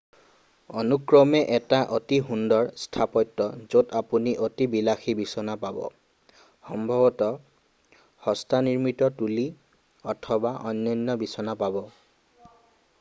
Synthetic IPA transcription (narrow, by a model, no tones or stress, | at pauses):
ɔnukɹɔmɛʔɛtaʔotiɦundɔɹstʰapɔtːɔzotapuniʔotibilaxibisɔnapabɔ̰ | xɔmbʱɔbɔtɔ | xɔstʰaniɹmitɔtuli | ɔtʰɔbaʔɔ̰nːɔjnːɔbisɔnapabɔ